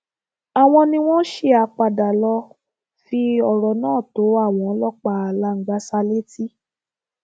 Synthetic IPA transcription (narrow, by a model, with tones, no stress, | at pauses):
a˨w̃ɔ̃˧nĩ˧˦w̃ɔ̃˦ʃe˦a˧k͡pa˧˨da˨lɔ˧ | fi˧ɔ˨ɾɔ˨nãː˦˨to˨˦a˦˨w̃ɔ̃˨˦lɔ˦˨k͡pa˨la˨˦ŋ̩˨ɡ͡ba˦sa˧le˦ti˦